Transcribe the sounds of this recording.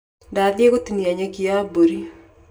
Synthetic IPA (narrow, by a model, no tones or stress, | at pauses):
dadjekot̪iniaɲakiaboɾi